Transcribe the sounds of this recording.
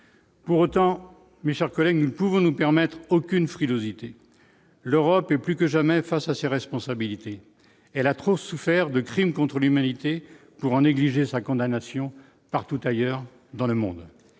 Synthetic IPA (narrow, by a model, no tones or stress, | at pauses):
puʁot̪ɑ̃ | meʃɛʁkɔlɛɡnupuvɔ̃nupɛʁmɛt̪χokʲynfχilozit̪e | løʁɔpɛplykəʒamɛfasaseʁɛspɔ̃sabilit̪e | ɛlat̪χosufɛʁd̪əkχimkɔ̃t̪χəlymanit̪e | puʁɑ̃neɡliʒesakɔ̃d̪anasjɔ̃ | paʁt̪ut̪ajœʁ | d̪ɑ̃ləmɔ̰̃d̪